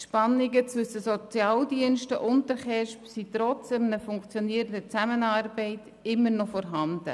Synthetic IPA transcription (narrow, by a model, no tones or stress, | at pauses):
ʃpɑnɪɡət͡sʋʏsəsɔt͡sjɑːldiənʃtəʔʊntəχɛʃpsitɾɔt͡sd̥ɛmnəfʊŋkt͡sjɔniəɾəndət͡sæmənɑːɾbɛɪt | ɪmːəɾnɔfɔɾɦɑnd̥ə̰